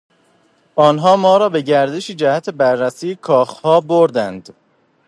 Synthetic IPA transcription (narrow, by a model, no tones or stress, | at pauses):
ʔɒːnɦɒːmɒːɾɒːbe̞ɟæɾd̪eʃid͡ʒæhæt̪ʰebæɾːæsiːkʰɒːxhɒːboɾd̪ænd̪̥